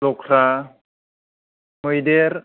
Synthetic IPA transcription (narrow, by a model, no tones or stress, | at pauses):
lɔkʰɾa | mojdeɾ